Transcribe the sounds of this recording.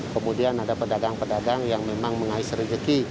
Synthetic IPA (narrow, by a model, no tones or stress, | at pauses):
kəmudianadapədaɡaŋpədaɡaŋjaŋmemaŋməŋaɪsɾəd͡ʒəki